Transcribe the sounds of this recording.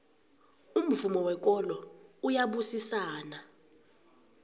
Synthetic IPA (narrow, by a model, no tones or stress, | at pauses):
um̩vumɔwɛk̬ʼɔlɔujaɓusisaːna